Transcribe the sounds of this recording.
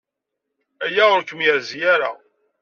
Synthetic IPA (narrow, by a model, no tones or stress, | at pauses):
æjæʊɾkəmjəɾzjaɾa̰